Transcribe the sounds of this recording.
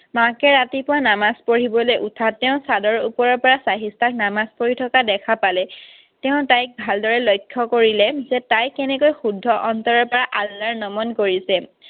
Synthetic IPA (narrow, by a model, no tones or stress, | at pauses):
makɛɹatipʊwanamaspoɹibɔlojʔutʰatːɛʊ̃sadɔɹupɔɹɔɹpɔɹasaɦistʰak̚namaspoɹitʰɔkadɛkʰapalɛ | tɛʊ̃tajk̚bʱaldɔɹɛlojkʰːɔkoɹilɛzɛtajkɛnɛkojxudʱːɔʔɔntɔɹɔɹpɔɹaʔalːaɹnɔmɔnkoɹisɛ